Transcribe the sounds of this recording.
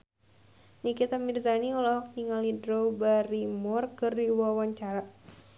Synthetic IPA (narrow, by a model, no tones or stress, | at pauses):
nikit̪amirzaniulɔkniŋalidɾobaɾimɔrkɨrdiwawaɲt͡ʃaɾa